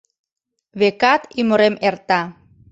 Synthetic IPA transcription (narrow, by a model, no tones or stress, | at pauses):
βekɑt̪imoɾemert̪ɑ